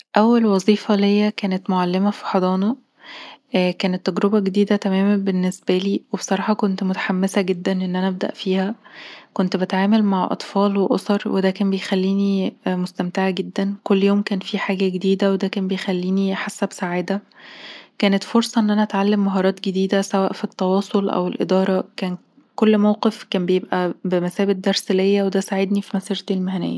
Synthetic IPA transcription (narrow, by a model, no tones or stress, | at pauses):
ʔæwːælwɑzˤiːfɑlhejːækæːnet̪moʕalːemæfi̥ħɑd̪ˤɑːnɑ | ʔkæːnet̪ːæɡɾobæɡed̪iːd̪æt̪æmæːmænbenːesbæliːwebsˤɑɾˤɑːħɑkont̪mot̪ḁħamːesæɡed̪ːænʔenːʔænæʔæb̚d̪æ̰ʔfiːhækont̪bet̪ʕaːmælmaʕʔɑ̰t̪ˤfɑːlweʔosˤɑɾˤwed̪æːkæːmbejxælːiːnimost̪æmt̪eʕaɡed̪ːænkolːjoːmkæːnfiħaːɡæɡed̪iːd̪æwed̪æːkæːnbejxælːiːniħasːæbsaʕaːd̪æ | kæːnet̪foɾsˤɑʔenːʔænæʔæt̪ʕalːemːɑɦɑːɾˤɑːt̪ɡed̪iːd̪æsæwæːʔfit̪ːɑwɑːsˤolʔæ̰welʔḛd̪ɑːɾˤɑkæːn | kolːmæwqefkæːmbejebʔæbemæsæːbet̪̚d̪ɑɾˤselejːæwed̪æːsaʕed̪nifimæsiːɾt̪elmæhænḛjːæ